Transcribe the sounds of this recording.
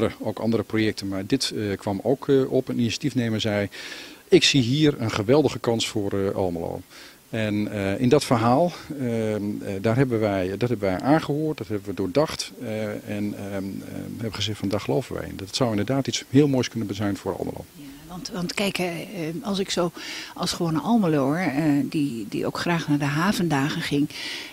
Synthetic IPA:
əəowkɑ̰ndəɾəprojɛk̚tənmaːɹdɪtkʰʋɑmowkɔpəninisjḁtifnejməɹzɛjɪksiɦiːrənχəʋɛlˠdəɣəkɑnsfʊːrʔɑ̰lˠməlo̰ː | ɛnəɪndɔtfərɦaːlˠ | daːrɦɛbənʋɛjdɔtɦɛbəʋɛjʔaːnχəɦoːrt̚dɑtɦɛbənʋədʊːɹdɑχtɛn | ɦɛbəχəzɛxtfɔndaːχəlowvənʋɛ̰jɪ̰ndtsɔwɪndəɹdaːtitshɪːlˠmoːjskɵnənbəzɛjnfʊːɾɑ̰lˠm̰lo̰wj | ʋɑntɑntkɛjkɛɑlˠsɪksowɑlˠsχəʋoːnənʔɑlˠməloɹdidḭʔo̰wkχraːχnaːɹdəɦaːvəndaːχəχɪŋ

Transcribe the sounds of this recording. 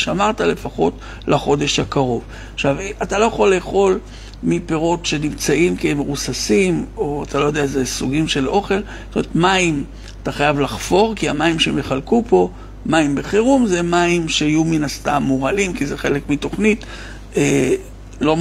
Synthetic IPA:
ʃamaʁtale̞faχo̞t | laχo̞de̞ʃhakaʁo̞v | aχʃavatalo̞jeχo̞lːeːχo̞l | mipe̞ʁo̞tʃe̞nimt͡saʔimkiemeʁusasimo̞at̪alo̞jo̞d̪eazesuɡimʃe̞lʔo̞χe̞l | tomeetmaim | at̪aχajavlaχfo̞ʁkiamaimʃeme̞χalkupo̞ | maimbeχeʁumze̞maimʃeajuminast̪amːuʁalimkize̞χelekmito̞χnit | e | lo̞

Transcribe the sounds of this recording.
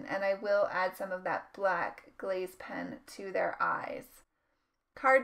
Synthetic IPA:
nʔɨ̰̃naɪwɪlˠʔæd̥sʌ̃mʌvðɨ̰t̚b̥lækɡ̥leɪz̥pʰɛ̃ntʰɨðə˞ʔa̰ɪz̥ | kʰɑɹ

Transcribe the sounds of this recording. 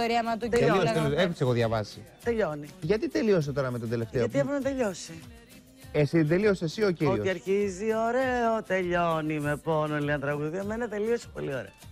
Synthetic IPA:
oɾiɐmɐt̪uelioseloexot̪iseɣoðʝɐvɐsit̪eʎo̞niʝɐt̪it̪e̞lio̞s̬et̪o̞ɾɐmet̪od̪e̞le̞ft̪eɐt̪ieponɐt̪eʎo̞si | esid̪e̞lio̞sesiociɾoioiɐɾçizio̞ɾeot̪e̞ʎonime̞ponoliɐnt̪ɾɐɣuðiɐmenɐt̪e̞liosi̥po̞lio̞ɾḛo

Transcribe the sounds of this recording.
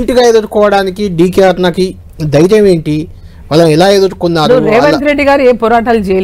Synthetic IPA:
ɳʈiɡaːjeːd̪uʈukɔːʋɐɽaːnikiɖiːkeɐɾnɐki | d̪ɐjɾɐme̞ːɳʈi | ʋɐlːɐiɛlaːeːd̪uʈukunːaːɾuɾeːʋɐt̪ɾeɖːiɡaːɾieːpɔːɾaːʈɐlut͡ʃeːjɐl

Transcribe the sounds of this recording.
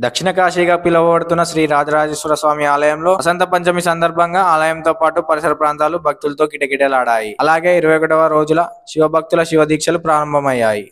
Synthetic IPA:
d̪ɐkʂiɳɐkaːʃiːɡaːpilɐʋɐʋɐɽut̪unːɐʃɾiːɾaːd͡ʒɐɾaːd͡ʒɐsʋɐɾɐsʋaːmiaːlɐjɐmlo̞ːɐsɐnt̪ɐpɐɲt͡ʃɐmisɐnd̪ɐɾbʱɐŋɡaːaːlɐjɐmt̪o̞ːpaːʈupɐɾisɐɾɐpɾaːnt̪aːlubʱɐk̚t̪ulɐt̪oːkiʈɐkiʈelaːɽaːjiɐlaːɡe̞ːiɾuʋɐjɔkɐʈɐʋɐɾo̞ːd͡ʒulɐʃiʋɐbʱɐk̚t̪ulɐʃiʋɐd̪iːkʂɐlupɾaːɾɐmbʱɐmɐjːaːji

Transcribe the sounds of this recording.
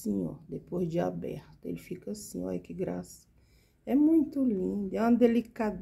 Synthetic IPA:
siɲo̰ɾd̪epozd͡ʒiabɛ̰ɾt̪ḛlfikɐsĩa̰ikiɡɾasɐ̥ | ɛmũj̃t̪ulĩnd̪ɛũd̪elikad̪

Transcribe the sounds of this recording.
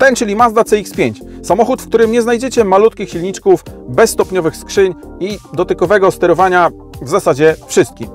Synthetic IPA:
t̪ɛnt͡ʂɘlʲimazd̪at̪sɛikspʲjeɲt͡ɕsamɔxut̪fkt̪uɾɘmɲɛznajd͡ʑɛt͡ɕɛmalut̪kʲixɕilɲit͡ʂkufbɛsːt̪ɔpɲɔvɘxskʂɘɲ | id̪ɔt̪ɘkɔvɛɡɔst̪ɛɾɔvaɲa | vzasad͡ʑɛfʂɘst̪̚kʲim

